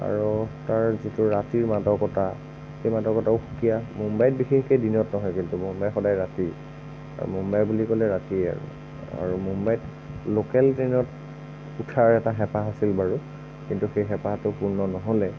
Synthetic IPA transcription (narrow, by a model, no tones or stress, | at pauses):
a̰ɹutaɹzitʊɹatiɹmadɔkɔta | xejmadɔkɔtaʊxukijamumbajt̚bixexkejdinɔtnɔɦɔjkintumumbajxɔdajɹati | a̰ɹṵmumbajbulikɔlɛɹatiɛa̰ɹṵ | a̰ɹumumbajt | lokɛltɹenɔt | utʰaɹɛtaxɛpaɦasilbaɹu | kintuxejxɛpatʊpuɹnɔnɔɦɔlɛ